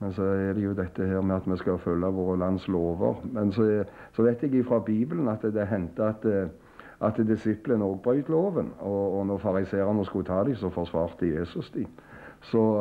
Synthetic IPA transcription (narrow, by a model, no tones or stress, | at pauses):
mɛnsɔɛd̪ɛjʊd̪ɛt̪ːəheːɾmɛɑt̪mɛskɑfœlːəʋoːɾəlɑnsloːʋə̰ɾmɛnsɔ | sɔʋæɪt̪ɛɡɪfɾɑːbiːblənɑt̪d̪ɛɦɛnt̪əɑt̪ | ɑt̪d̪ɪsɪplənoːɡ̚bɾœʏt̪loːʋənɔːnɔfɑɾɪseːɾɑnɔskʊt̪ʰɑːd̪ɪsɔfɔsʋɑːʁt̪əjeːsʊsd̪ɪsɔ